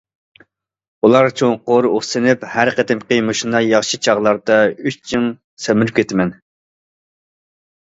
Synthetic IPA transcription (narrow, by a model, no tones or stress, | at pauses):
ulˠɑɾt͡ʃʰoŋqoɾoχsɨnɪphæɾqət̪ɪmqəjmɨʃunɑjɑχʃit͡ʃʰɑʁlˠɑɾd̪ɑyʃt͡ʃʰiŋ | semɪɾyp̚kʲʰet̪ɪmɛn